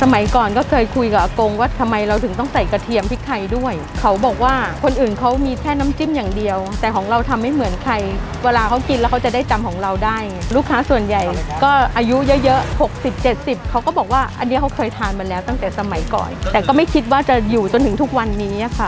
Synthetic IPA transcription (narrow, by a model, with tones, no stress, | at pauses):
sa˧ma˩˦jkɔː˨˩nkɔː˥˩kʰɤː˧jkʰu˧jka˨˩ʔa˧ko˧ŋwaː˥˩t̪ʰa˧mːa˧jɾa˧wt̪ʰɯ˨˩˦ŋt̪̬ɔ˥˩ŋsa˨˩jkɾa˧t̪ʰi˧əmpʰi˦˥k̪ʰa˧jdu˥˩əj | kʰa˦˥wbɔː˨˩k̚waː˥˩kʰo˧nʔɯː˨˩nkʰa˦˥wmiː˧kʰɛː˥˩naː˦˥mt͡ɕi˥˩mjaː˨˩ŋdi˧əwt̪ɛː˨˩kʰɔː˩˦ŋɾa˧wt̪ʰa˧mha˥˩jmɯ˩˦ənkʰɾa˧j | weː˧laː˧kʰa˦˥wki˧nlɛː˦˥wkʰa˦˥wt͡ɕa˨˩daː˥˩jt͡ɕa˧mkʰɔː˩˦ŋɾa˧wdaː˥˩jŋa˧˩ɾuː˥˩kʰːaː˦˥su˨˩ənja˨˩jkɔː˥˩ʔaː˧ju˦˥jɤ˦˥ʔjɤ˦˥ʔho˨˩k̚si˨˩p̚t͡ɕe˨˩t̪̚si˨˩p̚kʰa˦˥wkɔː˥˩bɔː˨˩k̚waː˥˩ʔa̰˧nːi˦˥kʰa˦˥wkʰɤː˧jt̪ʰaː˧nma˧nlɛː˦˥wt̪a˥˩ŋt̪ɛː˨˩sa˧ma˩˦jkɔ̰ː˨˩nt̪ɛː˨˩kɔː˥˩ma˥˩jkʰi˦˥t̪̚waː˥˩t͡ɕa˨˩juː˨˩t͡ɕo˧nt̪ʰɯ˩˦t̪ʰu˦˥k̚wa˧nːiː˦˥˦a˧˩kʰa˦˥˩